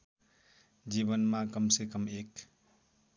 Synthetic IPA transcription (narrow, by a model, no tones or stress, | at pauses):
d͡ʒibʌnmakʌmsekʌmek̚